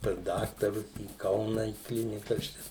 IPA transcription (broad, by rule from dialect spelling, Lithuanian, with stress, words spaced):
pɐs ˈdɑːktɐrʊs iː ˈkɐʊnɐ iː ˈklʲɪnʲɪkɐs ˈt͡ʃʲɛ